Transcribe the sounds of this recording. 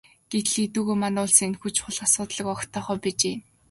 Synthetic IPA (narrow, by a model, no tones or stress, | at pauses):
ɡ̥et̪̆ɮit̪uːɣeːmanʊːɮsiːŋenxut͡ɕχʊ̆ɮχasʊːt̪ɮɞ̆kɔkt̪ʰɔːχœːpit͡ɕeː